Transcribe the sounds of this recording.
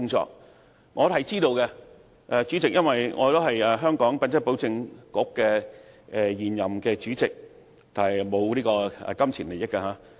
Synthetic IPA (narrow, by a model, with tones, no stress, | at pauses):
ʊ˥ŋt͡sɔ̰ː˧k̚ | ŋɔː˨˧ɦɐ˨jt͡siː˥t̪o˧wkɛ˧ | ʔɛ˨˧t͡ʃyː˨˥t͡sɪ˨k̚jɐ˥nwɐ˨jŋʔɔː˨˧t̪o˥wɦɐ˨jɛː˨˧ɦœː˥ŋkɔː˨˥ŋpɐ˨˧nt͡sɐ˥k̚po˨˥wt͡sɪ˧ŋkʊ˨˥kːɛː˧ʔɛ˨jiː˨njɐ˨mkɛː˧t͡ʃyː˨˥t͡sɪ˨k̚ | t̪aː˨nhɐ˨˩jmo˨˧wliː˥kɔː˧ɛ̰˨˧kɐ˥mt͡sʰiː˨˩nle˨jɪ˥kːɛː˧ɦaː˨˧